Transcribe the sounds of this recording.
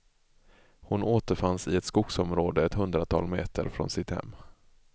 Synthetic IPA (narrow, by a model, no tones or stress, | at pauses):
hʊnoːt̪əɾfansɪɛt̪skʊɡsɔmɾoːd̪əɛt̪ɦɵnd̪ɾat̪ʰɑ̰ːlmeːt̪ʰə̰ɾfɾɔ̰nsɪt̪hɛ̰mː